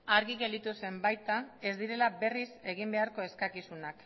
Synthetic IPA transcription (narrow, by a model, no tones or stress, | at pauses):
aɾɣiɣe̞ld̪it̪use̞mbajt̪ae̞zd̪iɾe̞labe̞rise̞ɣ̞imbe̞aɾko̞e̞skakisunak